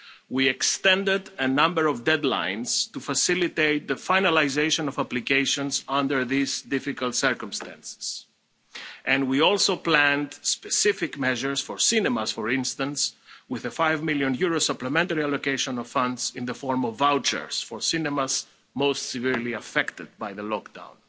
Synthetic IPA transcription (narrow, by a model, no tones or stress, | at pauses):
wiɛkst̪ɛ̃ndɪdənʌ̃mbəɹɔvdɛdlã̰ɪ̃nz̥tufasilit̪eɪt̪̚ðəfaɪnalaɪzeɪʃɔ̃nɔvaplikeɪʃɔ̃nzʌ̃ndə˞ðizdɪfikəlˠt̪sə˞kə̃mst̪æ̰̃nsɪ̥z̥ | ʔɛ̃nwiɔlˠsoplæ̃ndspɛsɪfɪkmɛʒəɹsfɔɹsɪnɛmasfɔɹɪ̃nst̪ə̃nswɪðəfajvmɪljõnjuɹosʌpləmɛ̃nt̪əɹialokeɪʃɔ̃nɔv̥fʌ̃ndzɪ̃nðəfɔɹmɔvawt͡ʃə̰ɹsfɔɹsinɛmaz | moʊstsɛviɹliafɛkt̪ɨd̪̚bajðəlɔkd̥̪ã̰ʊ̃n